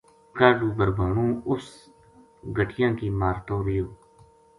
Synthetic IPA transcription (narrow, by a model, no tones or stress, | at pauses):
kaːɾɖuːbəɾbʱaːɳũːʊs | ɡəʈʰɪjãːkiːmaːɾt̪oːɾɪjoː